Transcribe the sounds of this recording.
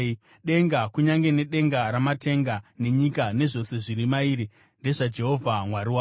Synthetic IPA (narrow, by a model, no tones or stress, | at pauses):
ɗe̞ŋɡakuɲaŋɡe̞ne̞ɗe̞ŋɡaɾamate̞ŋɡane̞ɲikane̞ʐo̞se̞ʐiɾimaiːɾi | nde̞ʐad͡ʒe̞ɦo̞vʱamwaɾiwa